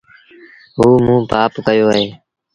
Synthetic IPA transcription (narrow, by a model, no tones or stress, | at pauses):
ɦuːmũːpaːpkəjoːɦeː